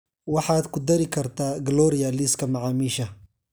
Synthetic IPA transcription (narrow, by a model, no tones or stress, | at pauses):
wɑħaːd̪kʊd̪ɐɾikʰɐɾt̪aːɡɐlɔːɾɪjaliːskɐmaʕaːmiːʃɐ